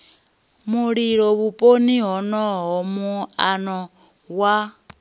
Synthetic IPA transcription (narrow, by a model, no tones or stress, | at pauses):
muɺiɺɔβupʼoniɦɔnɔɦɔmuanɔ | wa